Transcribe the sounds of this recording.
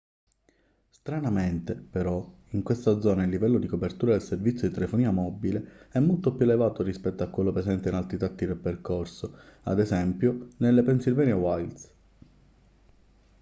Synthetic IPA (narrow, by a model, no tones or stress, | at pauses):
st̪ɾanament̪epeɾɔ | iŋkwest̪ad̪zɔːnailːivɛlːod̪ikopert̪uːɾad̪elservit̪sjod̪it̪elefoniːamɔbːileɛmːolt̪opjuelevaːt̪orispɛt̪ːoakːwelːopɾesɛnt̪einalt̪ɾit̪at̪ːid̪elperkorsoa̰d̪ezɛmpjonelːepensilvɛːnewajlt̪s